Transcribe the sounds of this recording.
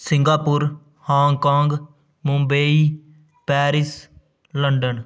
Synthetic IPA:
sɪ̃ŋɡaːpʊɾ | hãːŋkãːŋɡ | mʊ̃mbəiː | pɛːɾɪs | ləɳɖən

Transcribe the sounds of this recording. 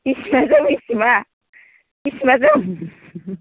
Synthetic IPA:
isimazamisima | isimazam

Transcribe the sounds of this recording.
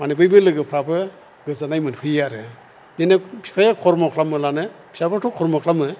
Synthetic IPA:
manibɯjbɯlɯɡɯpʰɾabɯ | ɡɯzanajmɯnhʰɯjaɾɯ | nenepʰi̥pʰajakʰɔɾmɔkʰlamɯlanɯpʰi̥sabɯtʰukʰɔɾmɔkʰlamɯ

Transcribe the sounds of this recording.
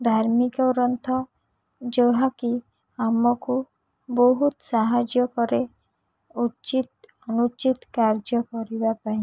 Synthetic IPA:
d̪ʱaɾmikɔɾɔnt̪ʰɔ | d͡ʒɔwɦaki | amɔku | bɔɦut̪saɦad͡ʒjɔkɔɾe | ut͡ʃit̪ | ɔnut͡ʃit̪kaɾd͡ʒɔkɔɾibapaɦĩ

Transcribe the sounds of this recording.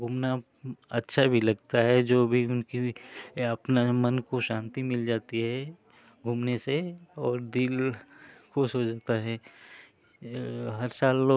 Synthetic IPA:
ɡʱuːmna | ɐtːʃʰabʱilɐɡt̪aɦɛd͡ʒoːbʱiʊnkiɐpnamɐnkoʃãːnt̪imɪld͡ʒaːt̪iɦɛ | ɡʱuːmneseɔːɾd̪ɪl | kosod͡ʒaːt̪aɦɛ | ɦɐɾsaːlːoː

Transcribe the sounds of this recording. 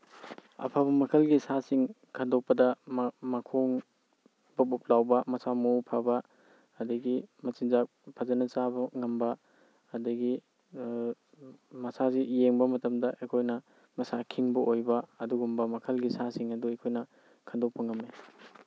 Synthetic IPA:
ɐ̰pʰabɐmɐkʰɐlɡisasiŋ | kʰɐndok̚pːɐdɐmmɐkʰoŋ | bɐbup̚lawbɐmɐsamupʰabɐː | dɐɡimɐt͡ʃinzak̚ | pʰazɐnɐsabɐŋɐmbɐː | dɐɡi | mɐsazijeŋbɐmɐtɐmdɐʔekʰojnɐ | mɐsakʰiŋbɐʔojbɐɐduɡumbɐmɐkʰɐlɡisasiŋɐduejkʰojnɐ | kʰɐndok̚pːɐŋɐme

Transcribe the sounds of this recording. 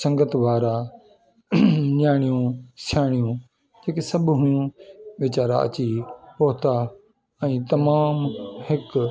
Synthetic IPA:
sɐ̃ŋɡət̪ʋaːɾa | ɲaːɽ̃ijũsaːɽ̃ijũ | d͡ʑeːkesɐbɦʊjũʋɪt͡ɕaːɾa̰ɐ̰t͡ɕipoɦt̪a | ɛ̃ːt̪ɐmaːmhɪk

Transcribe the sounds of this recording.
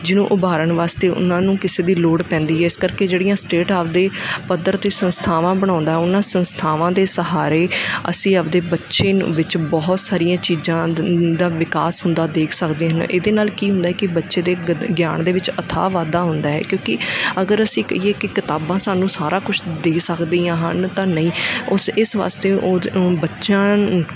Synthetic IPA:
d͡ʒɪnũːʔʊbaːɾəɳʋaːst̪eːʔʊ̰nãːnũːkɪseːd̪iːloːɽpɛ̃ːnd̪iːɦɛːɪskəɾkeːd͡ʒeːɽijãːsʈeːʈaːpd̪eːpəd̪əɾt̪eːsənst̪ʰaːʋãːbəɽ̃ãːʊ̃nd̪aːɦɛːʊnãːsə̃nst̪ʰaːʋãːd̪eːsəɦaːɾeːə̰sĩːəbd̪eːbətːʃeːʋɪt͡ʃbɔɦt̪saːɾijãːt͡ʃiːzãːd̪aːʋɪkaːsɦʊnd̪aːd̪eːkʰsəkd̪eːɦənḛːd̪eːnaːlkiːɦʊ̃nd̪aːɦɛːkɪbətːʃeːd̪eːɡja̰ːɳd̪eːʋɪt͡ʃət̪ʰa̰ːʋaːd̪aːɦʊnd̪aːɦɛ̰ːkjõːkɪəɡəɾəsĩːkə̰iːeːkɪkɪt̪aːbãːsaːnũːsaːɾaːkʊt͡ʃʰd̪eːsəkd̪iːãːɦə̰nt̪ãːnəĩːʊsɪsʋa̰ːst̪eːoːbətːʃãː

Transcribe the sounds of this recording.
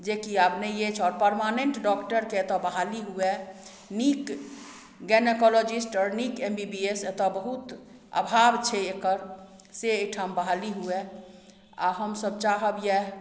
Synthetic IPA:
d͡ʒekiabnɛjet͡ʃʰɔːɾpəɾmaneɳʈɖɔkʈəɾket̪ɔbəɦaliɦue | nik | ɡɛnekɔlod͡ʒisʈɔɾnikembibiest̪ɔbəɦut̪ | a̰bʱabt͡ʃʰɛekəɾ | seejʈʰambaɦaliɦue | a̰ɦəmsəb̚t͡ʃaɦəbje

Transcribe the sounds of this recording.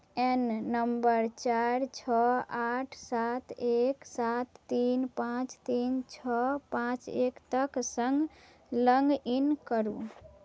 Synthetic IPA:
enːəmbəɾt͡ʃaɾt͡ʃʰɔaʈʰsat̪ʰeksat̪ːinpãt͡ʃt̪int͡ʃʰɔpãt͡ʃekt̪əksəŋɡ | ləŋɡinkəɾu

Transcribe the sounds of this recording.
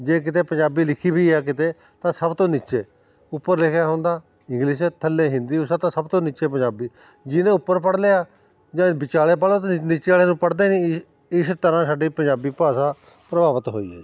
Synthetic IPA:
d͡ʒeːk̬ɪt̪eːpəɲd͡ʒaːbiːlɪkʰiːbiːɛːk̬ɪt̪eː | t̪ãːsəbt̪õːnɪːt͡ʃeː | ʊpːəɾlɪkʰjaːɦõːnd̪aː | ɪ̃ŋɡlɪʃɛːt̪ʰəlːeːɦɪ̃nd̪iːʊsaːt̪ãːsəbt̪õːniːt͡ʃeːp̬əɲd͡ʒaːbiː | d͡ʒɪnẽːʊpːəɾpəɽleːaː | d͡ʒãːbɪt͡ʃaːleːp̬aːlõːt̪ːnit͡ʃeaːleːnũːpəɽd̪eːnĩ | ɪst̪əɾãːsaːɖiːpəɲd͡ʒaːbiːpaːsãː | pɾəbaːʋət̪ɦo̰ːḭːɛ̰ː

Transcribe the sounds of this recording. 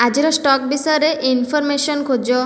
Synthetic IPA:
ad͡ʑiɾɔsʈɔk̚bisɔɾeʔinfɔɾmeʃonkʰod͡ʑo

